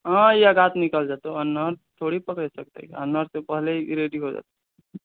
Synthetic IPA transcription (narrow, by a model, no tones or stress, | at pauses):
ɦãjaɡat̪nikəld͡ʒat̪oənːəɾt̪ʰoɽipəkɾɛsək̚t̪ə̰ənːəɾsẽpəɦleɾeɖiɦod͡ʒa̰t̪